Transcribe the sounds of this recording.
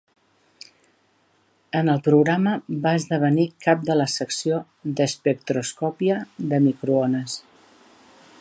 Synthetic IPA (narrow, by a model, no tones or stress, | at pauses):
ənəlˠpɾuɣɾaməbaəzðəβ̞ənikap̚d̪ələsəksio | d̪əspək̚t̪ɾuskɔpiəðəmikɾuonəs